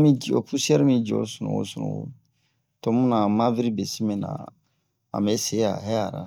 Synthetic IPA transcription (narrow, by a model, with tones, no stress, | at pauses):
mĩ˦d͡ʒo˨pu˦si˦ɛ˦ɾmĩ˦d͡ʒɔ˨˦sɔ˨nɔ̰̃˨o̰˦sɔ˨nɔ̰̃˨o̰˨ | tɔ˦mũ˦na˨ma˦vi˦ɾi˦be˨si˦mɛ̃˨na̰˨ | ã̰˨mɛ˦se˦ja̰˨ɦɛ˦a˨ɾa̰˨